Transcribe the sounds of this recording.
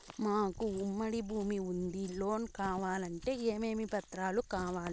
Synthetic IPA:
maːkuumːɐɽibʱuːmiund̪ilo̞ːnkaːʋaːlɐɳʈe̞ːeːme̞ːmipɐt̪ɾaːlukaːʋaːli

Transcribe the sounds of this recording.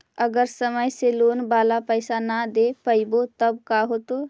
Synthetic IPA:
əɡəɾsəməjselonbalapəɪsanad̪epəibot̪əb̚kaɦot̪o

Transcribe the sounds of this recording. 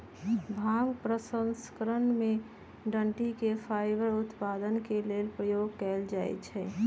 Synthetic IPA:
bʱaːŋpɾəsə̃nskəɾənmẽ | ɖəɳʈikefʰaːɪbəɾʊt̪paːd̪ənkeleːlpɾəjoːɡ̚kɛld͡ʒaːḛt͡ʃʰɛː

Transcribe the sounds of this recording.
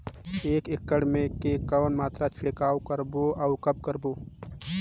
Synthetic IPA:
eːkɪkːəɽmẽkekəwnmaːt̪ɾat͡ʃʰɪɽkaːwkəɾboaʊkəb̚kəɾboː

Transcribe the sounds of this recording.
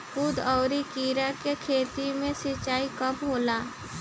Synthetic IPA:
kʊd̪ɔːɾikiːɾakekʰeːt̪imẽsɪt͡ʃaːikəbɦoːlaː

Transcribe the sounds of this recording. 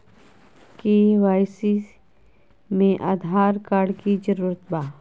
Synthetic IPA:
kiʋaːjsi | mẽʔaːd̪ʱaːɾkaːɾɖkid͡ʒəɾuːɾət̪baː

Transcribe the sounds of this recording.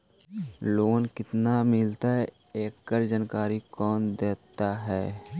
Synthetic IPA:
loːnkɪt̪namɪlt̪aɦɛeːkːəɾd͡ʒənkaːɾikɔːnd̪eːt̪aɦɛː

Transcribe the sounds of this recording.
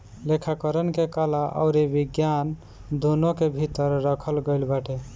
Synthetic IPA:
lekʰakəɾənkekəlaʔə̰ʊɾebiɡjan | d̪onokebʱit̪əɾːəkʰəlɡəɪlbaʈe

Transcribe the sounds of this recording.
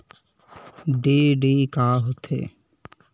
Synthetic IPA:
ɖeːɖeːkaːɦot̪ʰḛː

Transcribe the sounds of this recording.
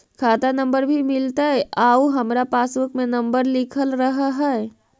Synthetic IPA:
kʰat̪anəmbəɾbʱimɪlt̪aɛauɦəmɾapasʋəkmenəmbəɾlɪkʰəlɾəɦɦə

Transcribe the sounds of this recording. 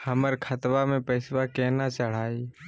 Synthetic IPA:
həməɾkʰət̪ʋamẽpəɪswakɛːnat͡ʃəɽ̤aːi

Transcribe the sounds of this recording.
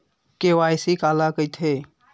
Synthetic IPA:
kewajsikalakəjt̪ʰe

